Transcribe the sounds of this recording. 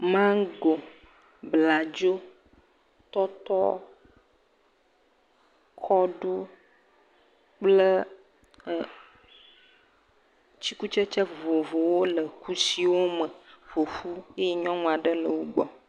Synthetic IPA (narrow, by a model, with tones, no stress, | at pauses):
mã˦ɡo˨ | bla˨d͡ʒo˦ | t̪ɔ˦t̪ɔ˦ | kʰɔ˦ɖu˦ | k͡plə˦˨ | t͡ɕi˦ku˦t͡ʃə˦t͡ʃə˦vo˨vo˨wo˦lə˨kʰu˦si˨wo˦mə˨vo˨fu˦e˦jɛ˦ɲɔ̃˦ŋũ˦a˨ɖə˦lə˨wo˦ɡ͡bɔ˨